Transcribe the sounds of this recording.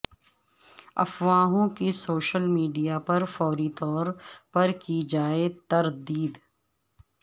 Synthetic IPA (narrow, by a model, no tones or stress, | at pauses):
ɐ̰fwaːɦõkisoːʃəlmiːɖijapɐɾfɔːɾit̪ɔːɾpɐɾkid͡ʒaːet̪ɐɾd̪iːd̪